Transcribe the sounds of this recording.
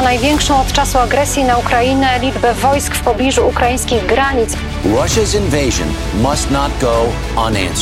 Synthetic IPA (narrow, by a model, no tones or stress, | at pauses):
najvʲjɛŋkʂɔ̃w̃ɔt̪t͡ʂasuaɡɾɛsʲjinaukɾainɛlʲid͡ʐbɛvɔjskfpɔblʲiʐuːkɾajĩj̃skʲiɣɡɾaɲit̪s | ɹʌʃəzɪ̃nveɪʒɨ̰̃n | mʌstnət̚ɡ̥oʊ | ə̃næ̰̃ns